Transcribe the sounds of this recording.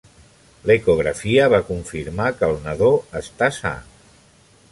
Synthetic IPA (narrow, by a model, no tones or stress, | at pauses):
lekuɣ̞ɾəfiəβakuɱfiɾmakəlˠnəðoəst̪asa̰